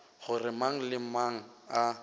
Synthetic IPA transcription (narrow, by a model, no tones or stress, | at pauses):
ɣʊrɪmaŋ̩lɪmaŋ̩a